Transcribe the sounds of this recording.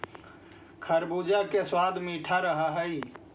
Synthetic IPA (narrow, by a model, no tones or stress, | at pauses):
kʰəɾbud͡ʒakeswaːd̪ʱmiʈʰaɾəɦəɦəi